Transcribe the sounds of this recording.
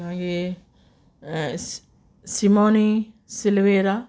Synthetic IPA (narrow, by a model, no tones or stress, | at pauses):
aɡe | simoni | silʋeɾa